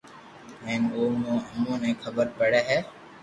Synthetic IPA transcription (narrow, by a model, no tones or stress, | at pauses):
ɦẽːmoːmõːəmõːnɛ̃ːkʰəbəɾpəɽeːɦɛː